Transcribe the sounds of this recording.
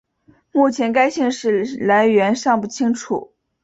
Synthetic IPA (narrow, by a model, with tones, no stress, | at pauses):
mu˥˩t͡ɕʰjɛ˧˥nka˥ɪɕi˥˧ŋʂɻ̩˥˩la˧˥ɪɥɛ˧˥nʂɑ˥˧ŋpu˥˩t͡ɕʰi˥ŋʈ͡ʂʰṵ˨˩˦